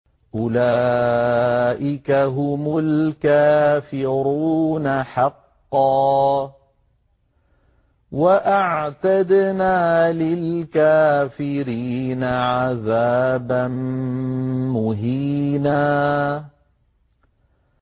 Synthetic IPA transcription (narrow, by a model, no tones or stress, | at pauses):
ʔʊlaː | ʔɪkaɦʊmʊlkaːfɪɾuːnaħɑqːɑː | waʔaʕt̪ad̪naːlɪlkaːfɪɾiːnaʕaðaːban | mʊɦiːnaː